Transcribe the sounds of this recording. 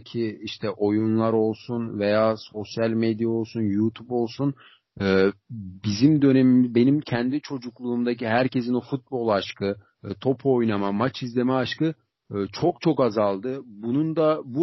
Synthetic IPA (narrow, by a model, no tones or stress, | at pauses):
cʰiiʃt̪ʰɛʔo̞junlˠaɾo̞lˠsunve̞jaːso̞sjalʲmed̪jao̞lˠsunjut̪ʰupo̞lˠsun | ɯːbizimd̪ø̞ne̞mimbe̞nimcʰɛnd̪it͡ʃʰo̞d͡ʒuklˠuːmd̪aciɦæɾce̞sinofut̪̚bo̞lˠaʃkʰɯ | t̪ʰo̞pʰojnamamat͡ʃʰizlʲe̞mɛaʃkɯ | t͡ʃʰok̚t͡ʃʰo̞kazalˠd̪ɯbunund̪abu